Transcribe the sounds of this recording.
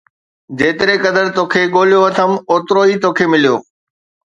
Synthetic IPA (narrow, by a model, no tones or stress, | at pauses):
d͡ʑeːt̪ɪɾekɐd̪əɾt̪oːkʰeːɠoːljoɐt̪ʰəmoːt̪ɾoːiːt̪oːkʰemɪlijoː